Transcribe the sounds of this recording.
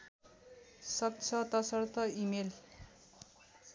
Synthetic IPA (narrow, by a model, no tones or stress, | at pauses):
sʌk̚t͡sʰʌt̪ʌsʌrt̪ʰʌimel